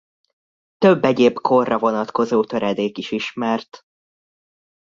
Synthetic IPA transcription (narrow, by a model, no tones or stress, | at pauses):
t̪øbːɛɟeːbkʰorːɒvo̞nɒt̪ko̞zoːt̪ø̞ɾɛd̪eːkiʃiʃmɛrt̪